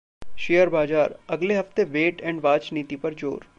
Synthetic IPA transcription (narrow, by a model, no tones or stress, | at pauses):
ʃijəɾbaːd͡ʒaːɾɐɡleɦɐft̪eʋeːʈɛ̃ːɳɖʋaːd͡ʒniːt̪ipɐɾd͡ʒo̰ːɾ